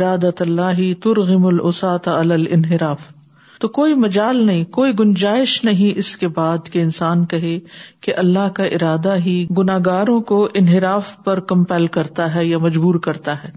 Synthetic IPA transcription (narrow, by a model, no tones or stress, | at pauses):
ɾaːd̪ɐt̪ɐlːaːɦit̪ʊɾɣɪmʊlʔʊsaːt̪ɐlɐlɪ̰nɦɪɾaːf | t̪okoːimɐd͡ʒaːlnɐɦĩkoːiɡʊnd͡ʒaːɪʃnɐɦĩʔɪskebaːd̪keɪnsaːnkɐɦekeʔɐlːaɦkaʔɪɾaːd̪aɦiɡʊnaːɡaːɾõkoʔɪnɦɪɾaːfpɐɾkɐ̃mpɛːlkɐɾt̪aɦɛjamɐd͡ʒbuːɾkɐɾt̪aɦɛː